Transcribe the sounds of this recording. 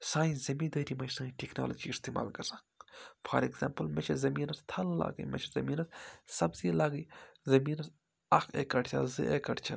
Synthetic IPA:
saːĩzɐmĩːd̪əːɾimɐsãːʈekno̰ːlɐd͡ʒiist̪ima̰ːlɡɐɾzãːŋfʰɐ̰ɾikza̰ːmpɨlmɐt͡ʃʰɐzɐmiːnɐst̪ʰɐlla̰ːɡə̰jmɐ̰t͡ʃʰɐzɐmiːnɐssɐbziːlaːɡəjzɐmiːnɐs | akḛkɐʈt͡ʃʲʰɐ̰zɨ̰ʔekɐʈt͡ʃʰɐ

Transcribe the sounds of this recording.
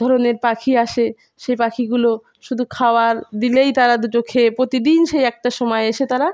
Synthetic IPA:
d̪ʱɔɾoneɾpakʰiaʃe | ʃejpakʰiɡulo | ʃud̪ʱukʰaoaɾd̪ilejt̪aɾad̪ud͡ʑokʰeepɾot̪id̪inʃejɛk̚ʈaʃɔmɔeeʃet̪aɾa

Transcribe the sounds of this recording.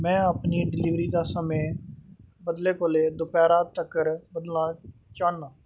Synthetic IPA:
mɛ̃ːapniːɖɪliːʋɾiːd̪aːsəmẽː | bəd̪leːkoːleːd̪ʊpɛːɾaːt̪əkːəɾbəd̪lãːt͡ʃãːɳnãː

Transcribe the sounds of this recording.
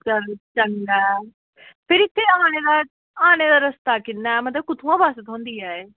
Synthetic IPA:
t͡ʃəɾt͡ʃənɡ̪aː | pʰɪɾɪt̪ʰːeːaːñeːd̪aː | aːneːd̪aːɾəst̪aːkɪnːaːɛmət̪ləb̚kʊt̪ʰũãːbaːsət̪ɦõːnd̪iːɛːeː

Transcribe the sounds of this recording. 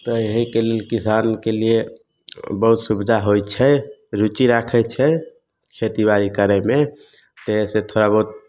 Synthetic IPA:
t̪ɔeɦikelelkisankelie | bəɦut̪subd̪ʱaɦojt͡ʃʰɛɾut͡ʃiɾakʰɛt͡ʃʰɛ | kʰet̪ibaɾikəɾɛme | t̪eset̪ʰoɾabəɦut̪̚

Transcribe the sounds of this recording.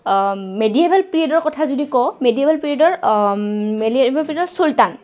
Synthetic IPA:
mediebalpɹiedɔɹkɔtʰazodikɔmediebʱalpɹiɔdɔɹ | meibalpɹiedɔɹsultan

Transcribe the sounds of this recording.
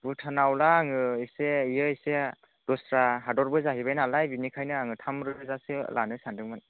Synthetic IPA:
bɯtʰanawlaːŋɯiseijɯise | dɔsɾaɦadɔɾbɯzaɦibajnalajbinikʰajnɯaŋɯtʰamɾɯzasɯ̰lʔanɯsandɯŋmɯn

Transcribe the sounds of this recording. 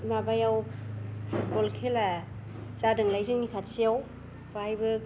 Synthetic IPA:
mabajaw | bolkʰela | t͡ʃadɯŋlajzɯŋnikʰatsijaw | pahajbɯ

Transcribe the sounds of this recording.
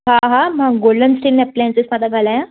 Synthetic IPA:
ɦãɦãmaɡɡolːənsʈilnɛp̚ːlensesmat̪aɡʱalaja

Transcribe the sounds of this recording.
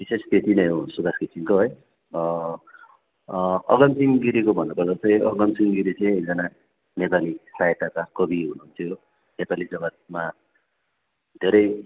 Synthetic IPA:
bisest̪ʰet̪inʌjosud̪askisiŋkoɦʌj | ʌ̰ɡʌmsiŋɡiɾikobʱʌnːupʌrd̪at͡sʰʌ̃j̃ʔʌɡʌmsiŋɡiɾit͡sʌ̃j̃d͡zʌna | nepalisajet̪akakʌbiɦunuɦunt̪ʰjo | nepalid͡zʌɡʌt̪̚ma | d̪ʱeɾʌj

